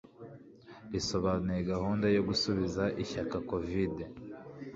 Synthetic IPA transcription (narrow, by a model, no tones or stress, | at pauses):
ɾiso̞βaːnujeɡahuːndajo̞ɡusuβizaʔiçakako̞vide